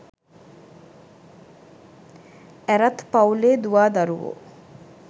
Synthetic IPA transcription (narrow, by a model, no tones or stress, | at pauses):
æɾɐt̪pɐuleːd̪uʋaːd̪ɐɾuʋo̰ː